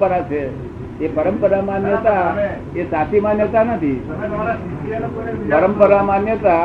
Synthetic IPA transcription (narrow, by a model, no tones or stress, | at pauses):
pəɾat͡ʃʰe | epəɾəmpəɾamãnjət̪a | esat̪ʰimãnjət̪anət̪ʰi | pəɾəmpəɾamãnjət̪a